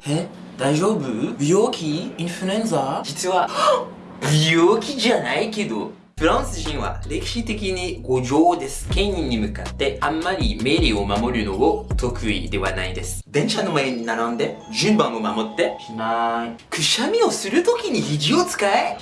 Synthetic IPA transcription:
he | d̪aiʑo̞ːbɯ̟bʲijoːkʲiĩɸɯ̟ɾẽnzad͡ʑit͡sɨβa | bijoːkʲiʑanaike̞d̪o̞̰ | ɸɯ̟ɾãɰ̃sɨʑĩɰ̃βa̰ɾe̞kʲi̥ɕit̪e̞kʲiɲ̟iɡo̞ʑo̞ːd̪e̞sɨ̥kẽ̞ɰ̃ĩɲ̟ːimɯ̟kat̪ːe̞amːaɾʲime̞ɾʲio̞mamo̞ɾɯ̟no̞ɡot̪o̞kɯ̟ḭd̪e̞βa̰naid̪e̞sɨ̥d̪ẽ̞ɰ̃ɕano̞maeɲ̟inaɾãnd̪e̞ʑɨ̃mbãŋ̃o̞mamo̞t̪ːe̞ɕinaikɯ̟ɕamʲio̞sɨɾɯ̟t̪okʲiɲ̟içiʑio̞t͡sɨ̥kae

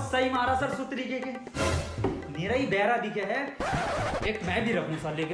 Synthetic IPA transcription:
saimaːɾasɐɾsʊt̪ɾikeke | meːɾaːibɛːɾad̪ɪkʰeɦɛ | eːkmɛ̃ːbʱiɾɐkʰũsɐɾleːkɪ

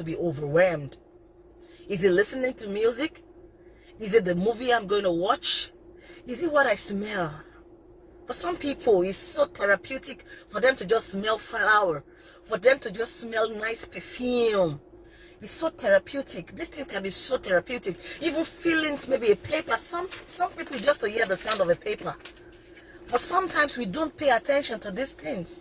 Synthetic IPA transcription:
tubiʔovə˞wɛlˠmd̥ | ɪzilɪsɨnɪ̃ŋtʰumjuzɪk | izɨt̚ðəmuviãɪ̃mɡoʊɪ̃ŋtuwɔt͡ʃ | ɪzitwɔɾaɪsmɛlˠ | fəsʌ̃mpʰipʰl̩ˠiz̥sotʰɛɹapʰjutɪkfɔðɛ̃mtɨd͡ʒʌsmɛlˠflaʊə˞ | fɔðɛ̃mtʰud͡ʒʌssmɛlˠnaɪspʰɛfĩm | iz̥sotʰɛɹapʰjutʰɪkðistθɪ̃ŋkɛ̃nbisotʰɛɹapʰjʉtikivə̃nfilˠɪ̃ŋmeɪbiepʰeɪpə˞sʌ̃msʌ̃mpipl̩ˠd͡ʒʌstuhiðəsãʊ̃ndɔvəpʰeɪpə˞ | b̥ɔsʌ̃mtʰãɪ̃mswidõnpʰeɪatʰɛ̃nʃə̃ntʰuðisθɪ̃ŋs

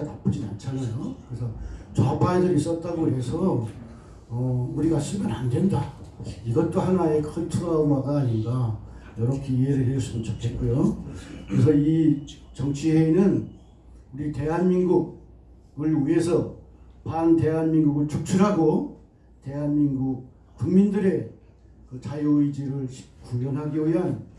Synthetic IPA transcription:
atap͈ud͡ʑina̰nt͡ɕʰanajokɯɾes̬ʰʌt͡ɕapaedʌis͈ʌt̚t͈aɡoɦe̞sʰʌ | ʌuɾiɡaɕʰiɭmana̰ndwe̞ndaiɡʌt̚t͈oɦanae̞kʰɯntʰuɡaomaɡaːɲinɡa | jʌɾʌkʰeiɦeɾɯɭɦeɭs͈umɯnt͡ɕokʰe̞t̚k͈ojokɯɾes̬ʰʌit͡ɕʌŋt͡ɕʰiɦe̞inɯn | uɾite̞ɦanminɡuɡ̚ | ɯɭie̞sʰʌpante̞ɦanminɡuɡɯɭt͡ɕuk̚t͡ɕʰuɾɦaɡo | te̞ɦanminɡuk̚ | kuŋmindɯɾe̞ | kɯt͡ɕajuɯid͡ʑeɾɯɭɕʰi̥p̚kujʌnɦaɡiujan

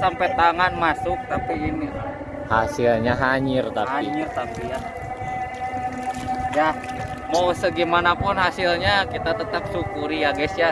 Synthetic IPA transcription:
sampɛt̪aŋanmasʊk̚t̪apiːnia | hasilɲaɦaɲɪrt̪ahaiɲɪrt̪apija | ja | mawsəɡimanapʊnɦasilɲakit̪at̪ət̪ap̚sukuɾijaɡɛsja

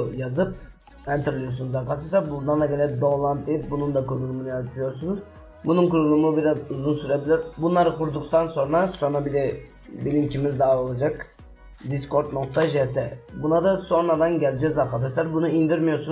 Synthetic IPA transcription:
jazɯp̚ | ɛnt̪ʰiɾlʲˠusunuzakʰat̪ʰɯɾsabund̪anlˠaɡelʲɛd̪olˠant̪ːijip̚bunund̪akuɾulˠumunɯjat̪ʰijo̞ɾsunuz | bununkuɾulˠumubiɾazuzunsyɾebilʲiɾbunlˠaɾɯkʰuɾd̪ukt̪ʰanso̞nɾaso̞nɾabilɛ | bilimcʰimizd̪aːolˠad͡ʒak | d̪isko̞ɾt̪no̞k̚t̪ʰaʒɛs̬ɛbunad̪aso̞nɾad̪anɟɛlʲɛd͡ʒɛzakʰad̪aʃlˠaɾbunuind̪iɾmijo̞ɾsun

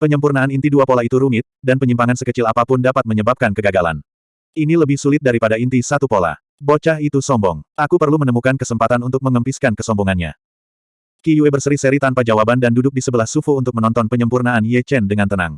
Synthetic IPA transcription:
pəɲəmpurnaanint̪iduapolait̪uɾuŋɪt̪̚danpəɲimpaŋansəkət͡ʃɪlapapʊndapat̪̚məɲəbap̚kankəɡaɡala̰n | ʔiniləbɪhsulɪt̪̚daɾipadaint̪isat̪upola̰ | bot͡ʃait̪usɔmbɔŋʔakupərlumənəmukankəsəmpat̪anunt̪ʊk̚məŋəmpiskankəsɔmbɔŋanɲa̰ | kijuebərsəɾisəɾit̪anpad͡ʒawabandandudʊk̚disəbəlahsufuunt̪ʊk̚mənɔnt̪ɔnpəɲəmpurnaanjɛt͡ʃɛndəŋant̪əna̰ŋ

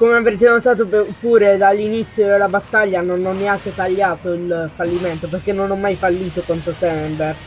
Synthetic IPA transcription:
komeavɾeːt̪̬enot̪aːt̪̬oppːuːɾed̪alːinit̪sːjod̪elːabat̪ːaʎːanonɔnːeaŋk̟et̪aʎːaːt̪oilfalːiment̪operk̟enːonɔmːajfalːiːt̪okant̪ɾot̪ɛmbe

